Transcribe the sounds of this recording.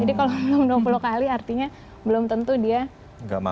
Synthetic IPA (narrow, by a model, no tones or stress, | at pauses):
d͡ʒadikalobəlomduəpulukaliart̪iɲa | bəlʊmt̪ənt̪udia | ŋɡa̰ma̰